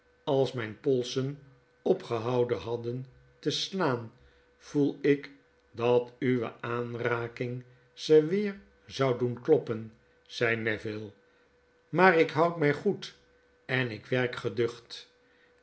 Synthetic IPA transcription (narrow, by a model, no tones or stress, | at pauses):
ɑlˠsmɛjnpɔlˠsən | ɔpχəɦɑwdəɦɑdən | təslaːn | v̥ulˠɪk | dɑtyʋə̰aːnraːkɪŋ | z̥əʋɪːɹ | zɑwdunklɔpən | z̥ɛjnɛvɪlˠ | maːrɪkɦɑwtmɛjχut | ɛnɪkʋɛɹkχədʏχt